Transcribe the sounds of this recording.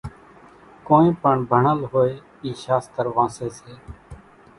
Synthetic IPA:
koːẽːpəɳbʱəɳəlɦoːeː | iːʃaːst̪əɾʋãːseːseː

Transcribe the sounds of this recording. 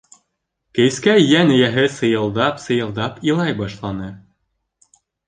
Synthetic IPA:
kɘ̆jskæjænɘ̆jæɦɘsɤ̆jɤ̆lˠd̪ɑpsɤ̆jɤ̆lˠd̪ɑpilˠɑjbɑʃlˠɑnɤ

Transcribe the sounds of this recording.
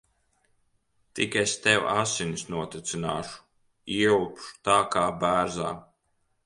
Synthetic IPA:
t̪ikest̪ɛwa̰sinisnuɔt̪it̪sɨna̰ːʃu̥ | iupʃu̥t̪aːkaːbæːɾza̰ː

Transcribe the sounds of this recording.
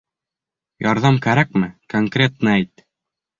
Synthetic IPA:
jɑɾðɑmkæɾæk̚mɘkoŋkrʲet̪nɤæjt̪

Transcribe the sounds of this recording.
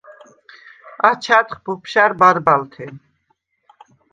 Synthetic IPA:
at͡ʃʰat̪χbupʰʃaɾbaɾbalt̪ʰɛn

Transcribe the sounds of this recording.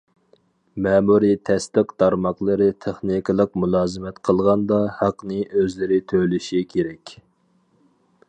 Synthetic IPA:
mɛːmuɾit̪ʰɛst̪əqd̪̥ɑɾmɑqlˠɨɾɨt̪ʰeχnikɨlˠəqmulˠɑːzɨmɛt̪qʰəlˠʁɑnd̪ɑhæqnɨʔøzlɪɾɪt̪ʰølyʃikʲʰeɾɛkʲ

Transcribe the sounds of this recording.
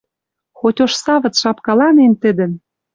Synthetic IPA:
xotʲoʃsɑvɤ̆t͡sʃɑpkɑlɑnent̪ə̆d̪ɘ̆n

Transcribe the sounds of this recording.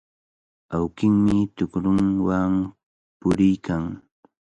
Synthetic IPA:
awkɪŋmɪt̪ʊkɾʊŋwam | pʊɾɪjkʰaŋ

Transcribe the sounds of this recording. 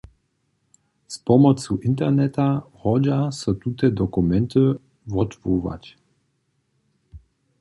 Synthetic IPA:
spɔmɔt͡suʔint̪̬ɛʁnɛt̪ahɔd͡ʑasɔt̪ut̪ɛd̪ɔkumɛnt̪ə | vɔt̪vuva̰t͡ɕ

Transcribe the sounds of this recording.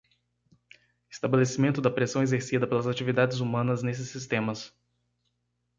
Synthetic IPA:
e̥st̪abelesimẽnt̪ʊd̪ɐpɾesɐ̃w̃ezeɾsid̪ɐpelɐzat͡ʃivid̪ad͡ʒɪzumɐ̃nɐznes̬ɪsːist̪ẽmɐs

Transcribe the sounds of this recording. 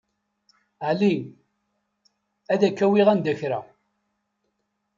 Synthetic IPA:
ʕli | æðækːæwiʁænd̪æçɾa̰

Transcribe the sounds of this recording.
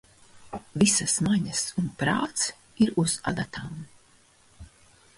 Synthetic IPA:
visasmaɲasunpɾa̰ːt̪s | iɾuz̥a̰d̪at̪ʰaːm

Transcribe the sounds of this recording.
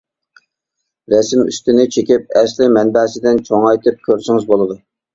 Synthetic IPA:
ɾɛsɪmy̰st̪ɪnɪt͡ʃʰekʲip̚ɛslɪmɛnbɛːsɪd̪ɪnt͡ʃʰoŋɑjt̪ʰɨp̚kʲʰøɾsɪŋɨzbolˠɨd̪u

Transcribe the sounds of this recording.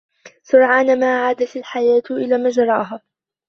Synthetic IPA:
sʊɾʕaːnamaːʕaːd̪at̪alħajaːt̪ʔɪlaːmaːd͡ʒɑɾˤɑ̰ːɦaː

